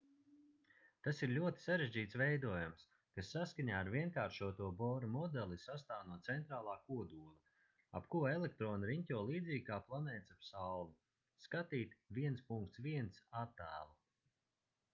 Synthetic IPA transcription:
t̪asiɾlʲuɔt̪i̥saɾeʒd͡ʑiːt̪svɛjd̪uɔjums | kasːaskaɲaːɾvʲiɛŋkaːɾʃuɔt̪uɔbɔːɾamɔd̪ɛlˠisast̪aːwnuɔt̪sɛnt̪ɾaːlˠaːkuɔd̪uːlˠa | apkuelɛk̚t̪ɾɔːnaɾiɲcʲɔːlˠiːd̪ziːɡ̚kaːplˠanɛːt̪sapsalnu | skat̪iːt̪viɛnspuŋkt̪sviɛnsat̪ːæ̰ːlˠ

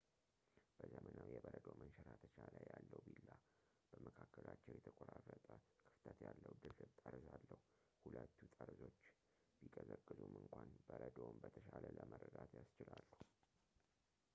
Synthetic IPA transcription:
b̥əzəmʔənəwjɛbəɾəd̪omənʃəɾat̪ʰət͡ʃaləjalːəwbilːa | b̥əməkʰakːəlat͡ʃːɛwjɛt̪ʰəkʼoɾarːət̪ʼəkʰɨ̥ft̪ʰət̪jalːəwd̪ɨlɨbt̪ʼəɾzalːəhu | hulət̪ːut̪ʼəɾzo̞t͡ʃː | bikʼəzəkʼːɨzumʔɨŋkʷʰanbəɾəd̪ombət̪ʰəʃalələməɾəd̪at̪jast͡ʃɪlalːuhu

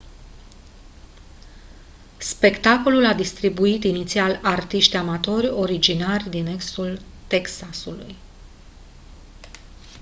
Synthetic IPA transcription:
spe̞kt̪ako̞lulad̪ist̪ɾibuit̪init̪sialart̪iʃt̪ʲamat̪o̞rʲo̞ɾid͡ʒinarʲd̪ineksult̪e̞ksasuluj

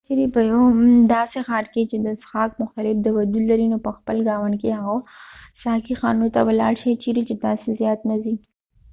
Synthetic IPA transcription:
t͡ʃiɾipəjod̪ɑsexɑːɾket͡ʃed̪əsxɑːkmʊxt̪alɪfd̪əwad̪ulːaɾinopəxpəlɡɑːwankeɦaɣasɑkixɑnot̪awəlɑɽʃet͡ʃiɾit͡ʃed̪ɑsezjɑːt̪nazi

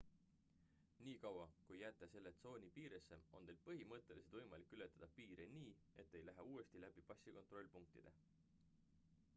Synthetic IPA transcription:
niːkɑwɑkujːæt̪ˑːese̞lːet̪so̞ːnʲipiːɾesːe̞o̞nt̪e̞ːlpɤɦimɤt̪ːˑe̞lised̪̥vɤjmɑlikːˑyle̞t̪ːˑɑd̪̥ɑpiːɾeniː | e̞t̪ːe̞jlæɦeuːe̞st̪ilæb̥ipɑsikot̪ro̞lʲpuŋk̚t̪ḭd̪̥e̞

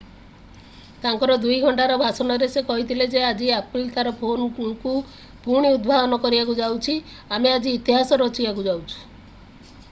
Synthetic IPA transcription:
t̪aŋkɔɾɔd̪ujɡʱɔɳʈaɾɔbʱasɔnɔɾesekɔɦit̪ʰiled͡ʒead͡ʒiaplt̪aɾɔpʰonku | puɾɽ̃iud̪bʱad̪ɔnɔkɔɾibakud͡ʒawt͡ʃʰi | amead͡ʒiːt̪iɦasɔɾɔt͡ʃibakud͡ʒawt͡ʃʰu̥

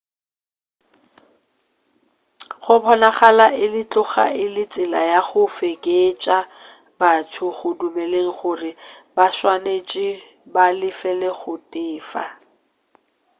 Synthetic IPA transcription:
χʊpʰɔnaχalaʔɪlɪt͡ɬʼʊχa̰ʔɪlɪt͡sʼɪla̰jaχʊfekʼet͡ʃʼa | batʰʊɣʊdumɛleŋ̩χʊrɪbaʃwanet͡ʃʼɪbalɪfɛleχʊtʼɪːfa̰

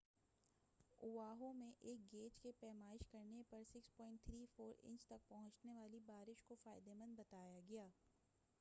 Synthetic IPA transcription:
ʊʋaːɦõmẽʔeːk̚ɡeːt͡ʃkepɛːmaːɪʃkɐɾnepɐɾsɪkspɔ̃ːɪ̃ɳʈ̚t̪ʰɾiːfoːɾɪ̰̃ɲt͡ʃt̪ɐk̚pɐɦʊ̃t͡ʃneʋaːlibaːɾɪʃkofaːɪd̪emɐ̃nd̪̚bɐt̪aːjaɡɐjaː

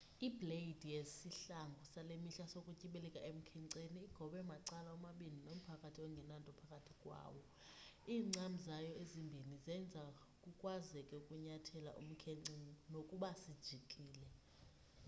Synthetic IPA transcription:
ibʱleid̥ʱijesiɬaŋɡʱusalemiɬasokʼucʼiɓɛlɛkʼaʔem̩kʰɛŋǀeniːɡ̥ʱɔɓɛmaǀalaɔmaɓininom̩pʰakʼatʰiɔŋɡʱɛnantʼɔpʰakʼatʰikʼwa̰ːwɔ | iːŋ͡ǀamizajɔezimbʱinizɛnd͡zʱa | kʼukʼwazɛkʼɛukʼuɲatʰɛla̰ʔṵm̩kʰɛŋ͡ǀinokʼuɓasid̥ʒ̥ʱikʼiːlɛ

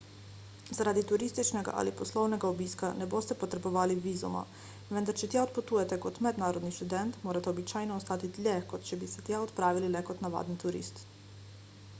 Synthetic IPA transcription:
zaɾaːd̪it̪uɾiːst̪it͡ʃnɛɡa̰ʔa̰ːlipɔslɔwnɛɡaobiːskanɛboːst̪ɛpɔt̪ɾɛbɔʋaːliʋiːzṵma̰ | ʋɛnd̪aɾt͡ʃɛt̪jaɔt̪̚pɔt̪uːjɛt̪ɛkɔt̪mɛd̪naːɾɔd̪niʃt̪ud̪ɛnt̪moːɾat̪ɛɔbit͡ʃaːjnɔːst̪aːt̪it̪lʲjɛkɔt̪t͡ʃɛbisɛt̪jaɔt̪pɾaːʋililɛkɔt̪naʋa̰ːd̪nit̪uɾḭːst̪

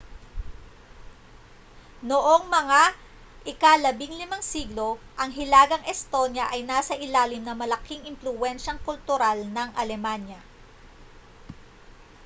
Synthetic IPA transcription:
noʔoŋmɐŋa | ʔɪkalɐbiŋlɪmaŋsiːɡlo̞ʔɐŋɦɪlaːɡɐŋʔɛst̪o̞njɐʔɐjnaːsɐʔɪlaːlɪmnɐmɐlɐkiŋɪnflʊwɛnʃɐŋkʊlt̪ʊɾalnɐŋʔɐlɛmanjɐ

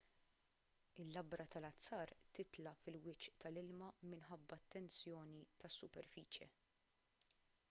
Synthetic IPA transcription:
ɪlːɐbɾʔɐt̪ɐlɐt͡sːɐːɾt̪ɪt̪lɐfɪlwɪt͡ʃʔt̪ɐlɪlmɐmɪnħɐbːɐt̪ːɛnt͡sjɔːnit̪ɐsːʊpɛɾfiːt͡ʃjɛ̰

